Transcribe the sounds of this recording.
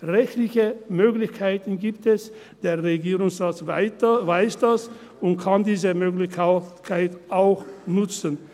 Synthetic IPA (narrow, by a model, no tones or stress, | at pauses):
ʁɛçtlɪçəmøːɡlɪçkʰaɪtn̩ɡiːptɛs | d̥eːɐʁeɡiːʁʊŋsʁaːt͡svvaɪsd̥as | ʊntkʰandiːzəmøːklɪkʰaɪtʔaʊxnʊt͡sən